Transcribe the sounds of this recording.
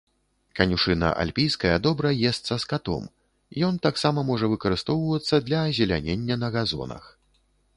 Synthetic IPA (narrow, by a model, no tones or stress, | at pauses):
kɐnʲuʂɨnɐ̰ʔa̰lʲpʲijskɐjɐd̪ɔbɾɐjɛst̪sɐskat̪ɔ̰m | jɔnt̪aksamɐmɔʐɐvɨkɐɾɨst̪ɔwvɐt̪sːɐd̪lʲɐːzʲɛlʲa̰nʲenʲːɐnɐɣazɔ̰nɐ̰x